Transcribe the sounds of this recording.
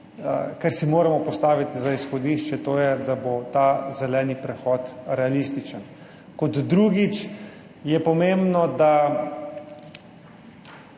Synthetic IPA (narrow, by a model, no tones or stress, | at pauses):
kaɾsimoːɾamɔpɔst̪aːʋit̪izaisxɔd̪iʃt͡ʃɛt̪oːjɛd̪abot̪aːzɛlɛːnipɾɛxɔːt̪ɾɛalist̪it͡ʃən | kɔd̪d̪ɾuːɡit͡ʃ | jɛpɔmembnɔd̪a